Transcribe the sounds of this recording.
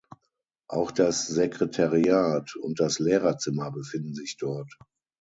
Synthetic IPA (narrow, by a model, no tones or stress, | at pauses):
ʔa̰ʊxd̥asz̥ekʁ̥etʰaʁiaːtʊnt̚d̥aslɛːʁɐt͡sɪmɐbəfɪndn̩zɪçd̥ɔɐt